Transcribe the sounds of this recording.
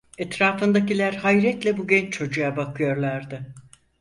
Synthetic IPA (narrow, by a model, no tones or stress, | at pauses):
ɛt̪ɾaːfɯnd̪acilʲæɾhajɾɛt̪lʲɛbuɟɛnt͡ʃt͡ʃʰo̞d͡ʒujabakʰɯjo̞ɾlˠaɾd̪ɯ